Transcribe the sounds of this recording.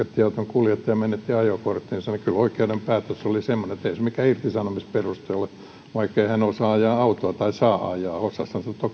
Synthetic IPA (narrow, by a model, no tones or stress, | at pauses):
æt̪ːiɑut̪oŋkuljet̪ːijɑmenːet̪ːiɑjokort̪ːiːnsɑnkyloikeunempæːt̪øsolisemːoneet̪eisemikæirt̪isɑnomisperust̪eole | ʋɑikːeihænosɑɑjɑːɑut̪oɑt̪ɑisɑːʔɑ̰jɑːosːɑshɑnsɑnot̪ːo